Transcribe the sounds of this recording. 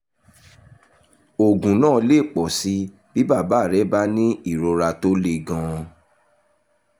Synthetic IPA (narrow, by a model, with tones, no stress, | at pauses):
o˨ɡũ˨nãː˦˨˧le˦˨k͡pɔ˨si˨˦ | b̥i˦ba˦˨ba˨˦˨ɾɛ˨˦ba˦nĩ˦i˦˨ɾo˧ɾa˧to˦le˦˧ɡã˧